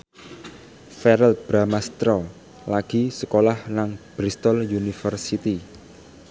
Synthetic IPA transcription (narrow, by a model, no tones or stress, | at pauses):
fɛɾɛlb̥ɾamast̪ɾo | laɡ̥i̤səkolahnaŋb̥ɾist̪ɔljunifərsit̪i